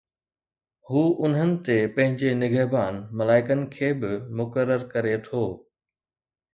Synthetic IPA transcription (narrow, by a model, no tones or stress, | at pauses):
huːʔʊn̤ənɪ̆t̪epɐ̃ɦɪ̃ɲd͡ʑenɪɡʱəɦbaːnmɐlaːɪkənɪ̆kʰeːbɪmʊkəɾːəɾkɐɾet̪ʰoː